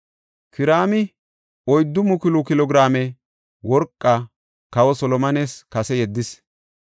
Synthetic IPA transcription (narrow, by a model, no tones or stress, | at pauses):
kɪɾaːmɪ | ɔjd̪ːʊmʊkɪlʊkɪlɔɡɾaːmɛ | wɔɾkʼːɐ | kɐwɔsɔlɔmɐneːskɐsɛjɛd̪ːɪs